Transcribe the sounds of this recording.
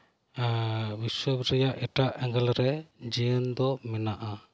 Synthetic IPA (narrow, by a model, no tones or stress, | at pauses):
biswəbɾɛjaʔɛʈaʔɛŋɡɛlɾɛd͡ʒiənd̪ɔmɛnaʔa